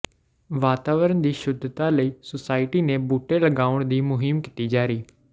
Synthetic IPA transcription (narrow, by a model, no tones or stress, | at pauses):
ʋaːt̪aːʋəɾənd̪iːʃʊd̪ʱt̪aːləiːsʊsaːɪʈiːnẽːbuːʈeːləɡaːʊəɳd̪iːmʊɦɪmkɪt̪iːd͡ʒaːɾiː